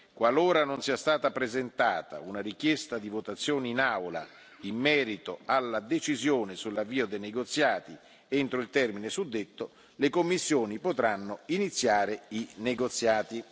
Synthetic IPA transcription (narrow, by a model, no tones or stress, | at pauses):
kwaloːɾanonsiast̪aːt̪apɾezent̪aːt̪a̰unaɾikjɛst̪ad̪ivot̪at̪sːjoːneinawla̰ | imːɛːɾit̪oalːad̪et͡ʃizjoːnesulːavːiːod̪ejneɡot̪sːjaːt̪i | ent̪ɾoilt̪ɛrminesud̪ːet̪ːo | lekomːisːjoːnipot̪ɾanːoinit̪sːjaːɾeineɡot̪sːjaːt̪i